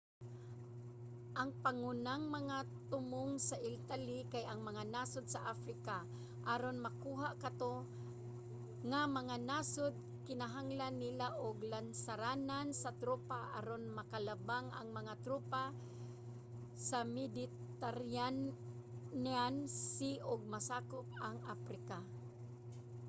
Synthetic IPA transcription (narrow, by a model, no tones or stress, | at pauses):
ʔaŋpaŋunaŋmɐŋa | t̪ʊmʊŋsaʔɪlt̪alikajʔaŋmɐŋanasʊd̪saʔafɾɪka | ʔaɾonmɐkuːɦaʔkat̪o | ŋamɐŋanasʊd̪̚ | kɪnaɦaŋlanːɪlaʔoɡlansaɾaːnansat̪ɾuːpaʔa̰ɾonmakalabaŋa̰ŋmaŋat̪ɾuːpa | samɪd̪ɪ | t̪aɾa | nansiʔʊɡ̚masaːkʊp̚aŋafɾɪka